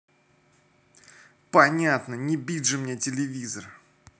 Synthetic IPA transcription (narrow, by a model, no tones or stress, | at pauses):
pɐnʲat̪nənʲɪbʲid̪ʲʐɨmnʲetʲɪlʲɪvʲizər